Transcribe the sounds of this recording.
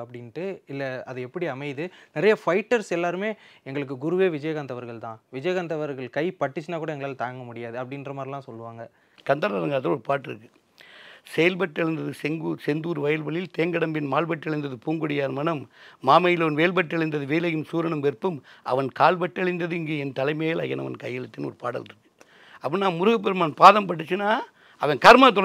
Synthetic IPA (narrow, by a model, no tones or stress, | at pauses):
ɐpːɐɽɪnʈːɯɪlːɐɐðɯɛpːɐɽiɐmɐɪðɯnɪɾɐjɐfɐɪʈːɐɾsɛlːaːɾɯmeːɛŋɡɐɭɯk̬ːɯɡʊɾɯʋeːʋɪd͡ʒɐjɐɣɐnd̪ɐʋɐɾɣɐɭt̪ãːʋɪd͡ʒɐjɐɣɐnd̪ɐʋɐɾɣɐɭkɐɪpɐʈːɪt͡ʃːɐnaːkuːɽɐɛŋɡɐɭaːlt̪aːŋɡɐmʊɽɪjaːðɯɐpːɐɽɪnrɐmaːdɾɪlãːsɔlːɯʋaːŋɡɐ | kɐnd̪ɐːɾɐɾɐŋɡaːt̪ɐoɾpaːɾʈːɪɾɯkːɯ | sɛjɐlbɐʈːɐɭɪnd̪ɐðɯsɛŋɡusɛnd̪uːɾʋɐjɐlbɐɭɪlt̪eːŋɡɐɽɐmbɪnmaːlbɐʈːɐɭɪnd̪ɐðɯpuːŋɡʊɽɪjaːɾmɐnɐmːaːmɐjɪlɐʋɐnʋeːɭbɐʈːɐɭɪnd̪ɐðɯʋeːlɐjɯmsuːɾɐɳɯmpɛɾpːɯmʔɐ̰ʋɐnkaːlbɐʈːɐɭɪnd̪ɐðɯɪŋɡeːɛnt̪ɐlɐɪmeːjɐlɐ̰ɣɐnɐ̰ʋɐ̰nkɐjːɪlɐt̪ːɪnɔ̰ɾɯpaːɽɐ̰lɪɾɯkːɯ̥ | ɐpːɐnnːaːmʊɾʊɣɐp̬ːɛɾɯmaːnpaːðɐmpɐʈ̬ːɯt͡ʃːɯnaː | ɐʋɐnkɐɾmaːt̪̬ɔlɐ